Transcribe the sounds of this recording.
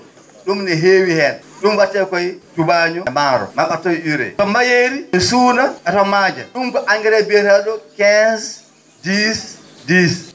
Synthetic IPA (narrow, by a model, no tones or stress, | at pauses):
ɗumnɛɦeːwihɛn | ɗumwatːɛkɔjtubaɲɔmaːɾɔ̰maɓatɔjʔuɾɛ̰tɔmajeːɾiɛsuːnaɛtɔmad͡ʒa̰ɗumkɔʔaŋɡɛɾɛbɛɾaɗɔkɛns | dis | dis